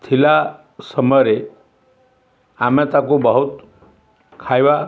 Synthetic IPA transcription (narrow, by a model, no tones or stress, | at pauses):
t̪ʰila | səməɾe | amat̪akobəɦut̪ | kʰajʋa